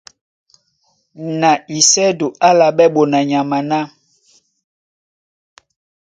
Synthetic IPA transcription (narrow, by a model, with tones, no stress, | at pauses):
na˨i˨sɛ˦do˨a˦la˨ɓɛ˦ɓo˨na˨ɲa˨ma˨nã˦